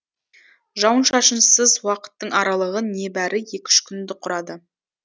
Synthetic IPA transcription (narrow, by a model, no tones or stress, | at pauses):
ʒɑwənʃɑʃənsəzwɑqə̥t̪ːəɴɑɾɑlˠəʁəne̞bæɾʔɪje̞kʲɪ̥ʃkʲʰʏnd̪ɪqʰʊɾɑd̪ə